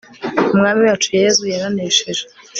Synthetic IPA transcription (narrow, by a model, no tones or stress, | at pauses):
umŋaːmiwat͡ʃujezujaɾaneʃeʒe